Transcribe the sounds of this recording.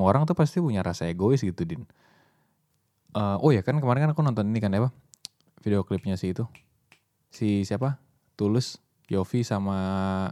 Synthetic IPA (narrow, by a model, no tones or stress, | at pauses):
aoɾaŋt̪upast̪ipuɲaɾasaaɡoɪsɡit̪udɪn | ʔəʔojakankəmaɾɪnkanakunɔnt̪ɔninikanapa | fideoklɪp̚ɲasɪit̪u | sisiapa | t̪ulɪs | jofisama